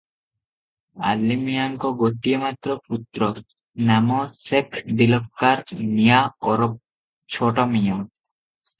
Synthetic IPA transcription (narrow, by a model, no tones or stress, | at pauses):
a̰lːimijaŋkɔɡoʈiemat̪ɾɔput̪ːɾɔ | namɔsekʰd̪ilɔkːaɾmijaɔɾɔp̚ | t͡ɕʰɔʈɔmijɔ